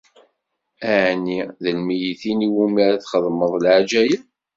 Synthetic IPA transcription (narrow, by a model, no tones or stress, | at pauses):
æʕnːiðəlmijiθiniwumæɾæθχəðˤməðˤlʕad͡ʒæjən